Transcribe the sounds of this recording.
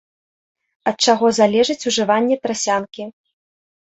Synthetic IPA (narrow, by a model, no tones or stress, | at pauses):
ɐt̪̚t͡ʂaɣɔzalʲɛʐɐt͡sʲuʐɨvanʲːɛt̪ɾasʲankʲi